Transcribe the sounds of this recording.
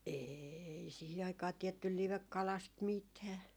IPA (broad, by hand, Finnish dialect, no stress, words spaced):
eːi sihi ɑikɑː tiɛtːyl liʋekːɑlɑst mitæː